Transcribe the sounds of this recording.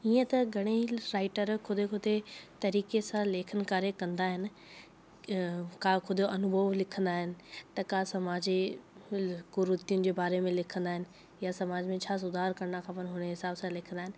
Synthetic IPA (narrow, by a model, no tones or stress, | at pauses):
iːə̃t̪ɐɡʱɐɽ̃eɾaːɪʈəɾkʰʊd̪ʱekʊd̪ʱet̪ɐɾiːkesãleːkʰənɪ̆kaːɾekɐ̃nd̪aːɦɪnɪ̆ | kaːkʰʊd̪ʱjoʔɐnʊbʱəʋlɪkʰə̃nd̪aːɦɪnɪ̆t̪ɐkaːsɐmaːd͡ʑe | ɡʊɾʊt̪ijʊnɪ̆d͡ʑeːbaːɾemẽlɪkʰə̃nd̪aːɦɪnɪ̆ | jasɐmaːd͡ʑmẽt͡ɕʰaːs̬ʊd̪ʱaːɾkɐɾnakʰãːpɐñɦʊñəɦɪsaːbsãlɪkʰə̃nd̪aɦɪnɪ̆